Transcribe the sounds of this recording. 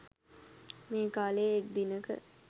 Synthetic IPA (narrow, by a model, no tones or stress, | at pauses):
meːkaːleːk̚d̪inəkə̰